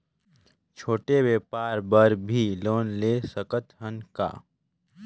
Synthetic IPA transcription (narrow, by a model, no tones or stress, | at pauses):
t͡ʃʰoːʈeweːpaːɾbəɾbʱiloːnleːsəkət̪ɦənka̰ː